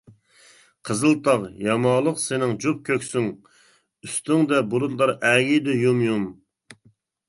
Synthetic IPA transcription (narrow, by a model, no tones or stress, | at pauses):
qʰəzɨlˠt̪ʰɑqjɑmɑlˠəqsɪnɪŋd͡ʒup̚kʲʰøkʲsyŋ | yst̪yŋd̪ɛbolˠut̪lˠɑɾʔɛɡʲid̪ɪjumjum